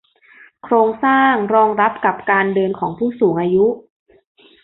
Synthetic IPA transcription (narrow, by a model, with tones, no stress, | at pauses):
kʰɾoː˧ŋsaː˥˩ŋɾɔː˧ŋɾa˦˥p̚ka˨˩p̚kaː˧ndɤː˧nkʰɔː˩˦ŋpʰuː˥˩suː˩˦ŋʔaː˧ju˦˥ʔ